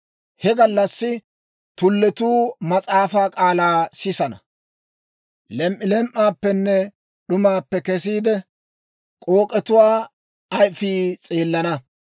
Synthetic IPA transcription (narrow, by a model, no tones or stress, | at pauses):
hɛɡɐlːɐsːɪ | t̪ʊlːɛt̪uːmɐt͡sʼaːfaːkʼaːlaːsɪsɐnɐ̰ | lɛmʔːɪlɛmʔːaːpːɛnːɛ | ɗʊmaːpːɛkɛs̬iːd̪ɛ | kʼo̞ːkʼɛt̪ʊwaː | ɐjfiːt͡sʼeːlːɐnɐ